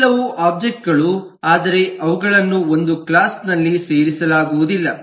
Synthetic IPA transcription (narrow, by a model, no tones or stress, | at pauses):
lɐʋuʔaːb̚d͡ʒek̚ʈ̚ɡɐɭu | aːd̪ɐɾe̞ɐʋuɡɐɭɐnːuo̞nd̪ukɭaːsnɐlːise̞ːɾisɐlaːɡuʋud̪ilːɐ